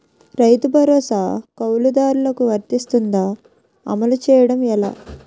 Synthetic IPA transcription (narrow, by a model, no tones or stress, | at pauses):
ɾɐjt̪ubʱɐɾɔːsaːkɐwlud̪aːɾulɐkuʋɐɾt̪ist̪und̪aː | ɐ̰mɐlut͡ʃɛːjɐɽɐmɛla̰ː